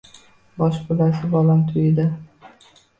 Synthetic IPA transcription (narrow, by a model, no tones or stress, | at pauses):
bɒʃbʊlasɪbɒlamt̪ʰʊjɪd̪ɪ